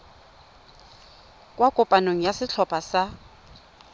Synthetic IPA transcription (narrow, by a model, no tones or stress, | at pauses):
kʼwakʼʊpʼanoŋ̩jasɪt͡ɬʰɔpʼasa